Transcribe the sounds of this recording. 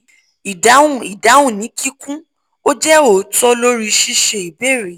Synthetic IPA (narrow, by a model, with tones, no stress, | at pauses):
i˨da˨˦ũ˦˨i˨da˨˦wũ˦˨nĩ˨˦ki˦kũ˦ | o˦d͡ʒɛ˦o˦˨tɔ˦lo˦ɾi˧ʃi˦ʃe˧i˨be˦˨ɾe˨˦